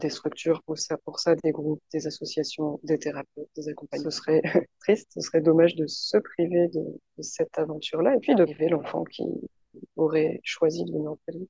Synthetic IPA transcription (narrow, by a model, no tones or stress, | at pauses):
d̪est̪χyk̚t̪yʁpusapuʁsad̪eɡʁup̚d̪ezasɔsjasjɔ̃d̪et̪eʁapøt̪̚d̪ezakɔ̃paɲsəsʁɛt̪χist̪səsʁɛd̪ɔmaʒd̪əsəpχived̪ə̰d̪̥əsɛt̪avɑ̃t̪yʁlaepɥid̪əvelɑ̃fɑ̰̃kʲḭ | ɔʁɛʃwazid̪əvəniʁpəli